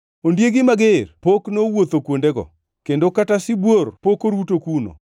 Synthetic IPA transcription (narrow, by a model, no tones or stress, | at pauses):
ondjeɡɪmaɡerpoknowot̪okwondeɡɔ̰ | kendokatasɪbworpokoɾutokuno̰